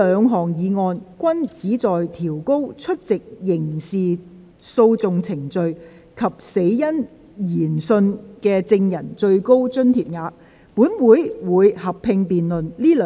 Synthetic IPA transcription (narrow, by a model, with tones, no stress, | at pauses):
œː˨˧ŋɦɔː˨˩ŋjiː˨˧ŋɔː˧nkʷɐ˥nt͡siː˨˥t͡sɔː˨jt̪ʰiː˨˩wko˥wt͡ʃʰɵ˥t̚t͡sɪ˨k̚jɪ˨˩ŋsiː˨˩ | so˧wt͡sʊ˨ŋt͡sʰɪ˨˩ŋt͡sɵ˧ɥ | kʰɐ˨˩p̚se˨˧˥jjɐ˥n | jiː˨˩nsɵ˧nkɛː˧t͡sɪ˧ŋjɐ˨˩nt͡sɵ˧ɥko˥wt͡sɵ˥nt̪ʰiː˨p̚ŋaː˨˥ | puː˨˥nwuː˨˥jwuː˨˧jhɐ˨pʰɪ˧ŋpiː˨nlɵ˨nliː˥lː